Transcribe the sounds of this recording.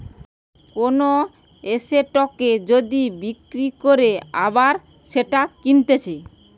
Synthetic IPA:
kono | eseʈɔked͡ʑod̪ibikɾikoɾea̰baɾ | ʃeʈakint̪et͡ɕʰe

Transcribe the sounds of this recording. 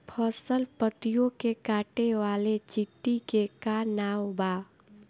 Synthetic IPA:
pʰəsəlpət̪ijõkekaːʈeʋaːlet͡ʃɪʈːikekaːnaːwbaː

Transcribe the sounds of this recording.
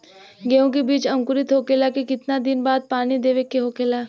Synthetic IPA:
ɡeõk̬ebiːt͡ʃɐ̃ŋkʊɾɪt̪ɦoːkelakekɪt̪nad̪ɪnbaːd̪̚paːnid̪eːʋekːeɦoːkeːlaː

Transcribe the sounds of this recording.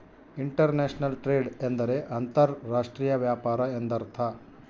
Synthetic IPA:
iɳʈɐɾneːʂnɐlʈɾeːɖend̪ɐɾeʔɐnt̪ɐɾːaːʂʈɾiːjɐʋjaːpaːɾɐend̪ɐɾt̪ʰɐ

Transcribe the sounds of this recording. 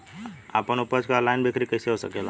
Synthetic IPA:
a̰ːpənʊpəd͡ʒkalaːɪnbʱekʰɾikɐɪseɦosə̰kela

